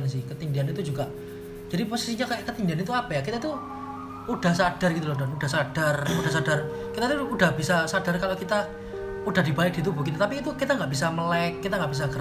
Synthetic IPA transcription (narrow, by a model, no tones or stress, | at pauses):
ns̬ɪhkət̪indianit̪ud͡ʒuɡa | d͡ʒ̥adiposisiɲakkət̪indianit̪uapajakit̪ait̪u | ud̥a̤hsad̥arɡit̪ulɔdud̥ahsad̥arud̥ahsad̥ar | kit̪ait̪uːd̥ahbisasad̥arkalokit̪a | ud̥aɦdibaɪk̚d̥it̪̬ubukit̪at̪apiːt̪ukit̪aŋɡaʔb̥is̬aməlɛkːit̪aŋɡaʔb̥is̬aɡəɾ